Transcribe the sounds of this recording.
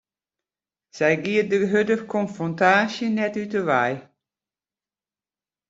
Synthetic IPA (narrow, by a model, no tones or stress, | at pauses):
z̥ɛjɡiədəɦødəxkʰɔnfrɔntaːsjənɛtytəʋɛj